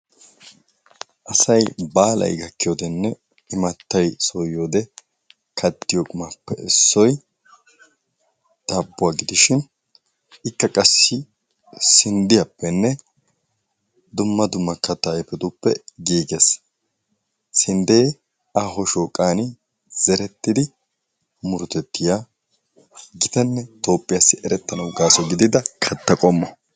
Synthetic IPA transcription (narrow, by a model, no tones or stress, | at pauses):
ʔɐsɐjbaːlɐ̰jɡɐkːɪjoːd̪ɛnːɛ | ɪmɐt̪ːɐjsojoːd̪ɛ | kʰɐt̪ːɪjokʼʊmapːɛɪsːɔj | d̪̥ɐbːʊwaːɡɪd̪ɪʃɪn | ɪkːɐkʼɐsːɪ | sɪnd̪ɪjɐpːɛnːɛ | d̪ʊmːɐd̪ʊmːɐkɐt̪ːaːɛfɛd̪ʊpːɛɡiːɡes | sɪnd̪eː | aɦɔʃoːkʼaːnɪ | z̥ɛɾɛt̪ːɪd̪ɪ | mʊɾʊt̪ɛt̪ːɪjaː | ɡɪt̪ɛnːɛt̪o̞ːpʼːɪjasːɪʔɛɾɛt̪ːɐnɐwʊɡaːsɔɡɪd̪ɪd̪ɐkʰɐt̪ːɐkʼɔmːɔ